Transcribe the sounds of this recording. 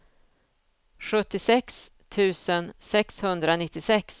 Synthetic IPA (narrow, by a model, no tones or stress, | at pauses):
ɧɵt̪ːɪsɛks | t̪ʰʉ̟ːsənsɛkshɵnd̪ɾanɪt̪ːɪsɛks